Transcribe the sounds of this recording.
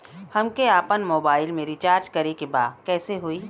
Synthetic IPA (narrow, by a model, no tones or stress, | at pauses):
hɐmkeaːpənmoːbaːɪlmẽɾɪt͡ʃaːɾd͡ʒkɐɾekebaːdkɛːseɦuiː